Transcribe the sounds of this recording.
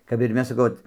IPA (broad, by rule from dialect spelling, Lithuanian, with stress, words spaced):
kɐp ɪr ˈmʲɛs sɐˈkɐʊ ˈoːt